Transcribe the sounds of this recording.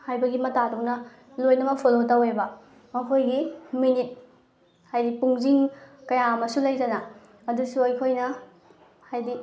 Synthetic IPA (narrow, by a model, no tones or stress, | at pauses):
hajbɐɡimɐtaduwnɐ | lojnɐmɐpʰolotawebɐ | mɐkʰojɡiminit̚ | hajdipuŋziŋkɐjamɐsulɐjtɐnɐ | ɐdusuɐjkʰojnɐ | hajdi